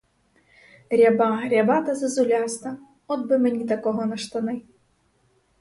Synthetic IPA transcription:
ɾʲabaɦɾʲabat̪ɐzɐzʊlʲast̪ɐ | ɔd̪̚bɨmɨnʲit̪ɐkɔɦɔnɐʂt̪ɐnɪ

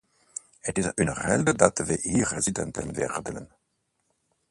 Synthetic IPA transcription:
hətɪsynərɛldədɑtʋəhiːrːezidɛ̰ntə̰nvɛ̰rdənən

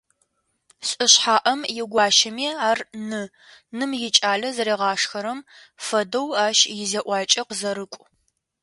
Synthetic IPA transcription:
sʼɨɕħaːʔɐmjɪɡʷɑːʃɐmiːaːrnɨ | nɨmjɪt͡ʃʼaːɮɐzɐɾeːʁɑːʂxɐɾɐm | fɐdɐwaːʃjɪzɐʔʷɑːt͡ʃʼɐqəzɐɾɨkʷʼ

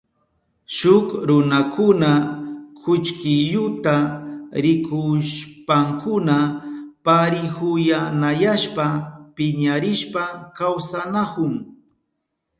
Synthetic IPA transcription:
ʃʊkɾʊnakʰʊnakʰʊt͡ʃkɪʎʊt̪aɾɪkʊʃpaŋkʊnapaɾɪhʊjanajaʃpapɪɲaɾɪʃpakawsanakʊŋ

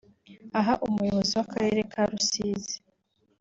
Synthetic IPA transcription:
aɦaʔumujoβo̞ziwakaɾe̞ɾekʰaɾusiːzi

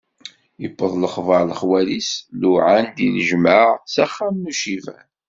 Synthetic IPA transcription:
jəpːəðˤləχvəɾˤləχwælisluʕand̪inəʒməʁsæχːamnuʃivæ̰n

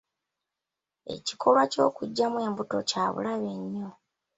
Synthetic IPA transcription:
e̞̰ci̥kʰo̞lwaco̞̰ːkuɟːamuwe̞ːmbuto̞̰caːβṵlaβe̞ɲːo̞

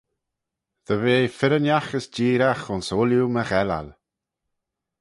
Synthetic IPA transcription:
ðəveːfɪɾənjaxəsd͡ʒiːɾaxʊnsoːljuməɣɛla̰l

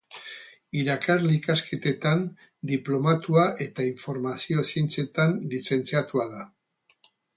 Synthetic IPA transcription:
iɾakarlikaske̞t̪e̞t̪an | d̪iplo̞mat̪uaʔe̞t̪aiɱfo̞ɾmasio̞se̞nt͡se̞t̪anlise̞nt͡siat̪uaða

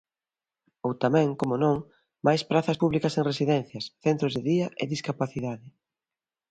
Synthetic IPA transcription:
owt̪amɛ̃ŋkomonõŋ | majspɾaθɐspuβlikɐseŋresiðɛnθjɐsθent̪ɾʊzðɪðiɐʔɪ̰ðiskapaθiðaðɪ

